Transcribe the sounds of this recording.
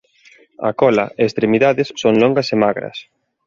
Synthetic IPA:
ɐ̰kɔlɐ̰ʔeːst̪ɾemiðaðɪsːoŋloŋɡɐsemaɣɾɐ̰s

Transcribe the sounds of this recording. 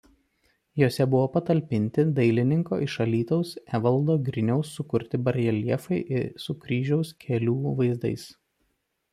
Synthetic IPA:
joːsʲɛbʊʋoːpɐt̪ɐlʲpʲɪnʲt̪ʲɪd̪ɐɪlʲɪnʲɪŋko̰ːʔɪʃɐlʲiːt̪ɐʊsæʋɐlˠˑd̪oːɡɾʲɪnʲɛʊsːʊkʊɾʲt̪ʲɪbɐɾʲjɛlʲiɛfɐɪʔɪsʊkɾʲiːʒʲɛʊskʲʰɛlʲuːʋɐɪzd̪ɐ̰ɪs

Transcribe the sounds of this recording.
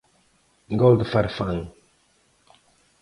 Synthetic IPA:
ɡɔld̪faɾfaŋ

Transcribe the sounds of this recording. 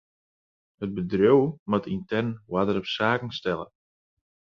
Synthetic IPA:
həd̚bədrjowmatʰintɛrnwadəɾɔpsaːkn̩stɛlə̰

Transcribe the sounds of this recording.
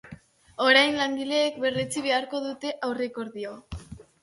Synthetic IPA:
o̞ɾajnlaŋɡ̪ile̞ːkbe̞ret͡siβ̞e̞aɾko̞ðut̪e̞ʔawre̞ko̞ɾðio

